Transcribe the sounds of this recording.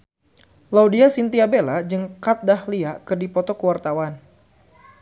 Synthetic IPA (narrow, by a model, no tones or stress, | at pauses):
laudiasint̪iabelad͡ʒɨŋkat̪̚dahliakɨrdipɔt̪ɔkəwart̪awan